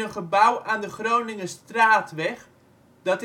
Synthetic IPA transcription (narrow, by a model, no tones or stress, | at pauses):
ənχəbʌwaːndəχrownɪŋəstraːtʋɛχ | d̥ɑt